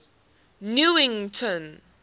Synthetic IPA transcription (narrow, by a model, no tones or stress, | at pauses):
njuɪ̃ŋtʰɔ̃n